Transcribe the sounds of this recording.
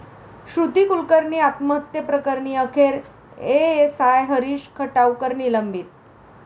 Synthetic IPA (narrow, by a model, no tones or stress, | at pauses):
ɕɾud̪ʱiːkulkəɾɳiːat̪məɦət̪jəpɾəkəɾɳiːəkʰeɾ | eesajɦəɾiːɕkʰəʈawkəɾɳiːləmbiːt̪̚